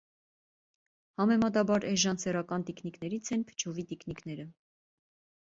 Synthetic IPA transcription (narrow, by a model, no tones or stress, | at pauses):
hɑmɛmɑt̪̬ɑbɑɾɛʒɑnt͡sʰɛrɑkɑnt̪ikniknɛɾit͡sʰɛnpʰə̥t͡ʃʰɔvit̪ikniknɛɾə